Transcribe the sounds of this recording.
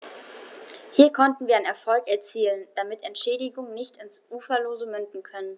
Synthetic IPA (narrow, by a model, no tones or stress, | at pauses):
hiːɐkʰɔntn̩viːɐaɪnɛɐfɔlkʔɛɐt͡siːlənd̥amɪtɛntʃɛːdɪɡʊŋənɪçtɪnsʔuːfɐloːzəmʏndn̩kʰœnən